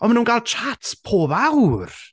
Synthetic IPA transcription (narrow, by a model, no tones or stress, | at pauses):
ɔnmanuːnɡalˠt͡ʃʰatpʰoːbawr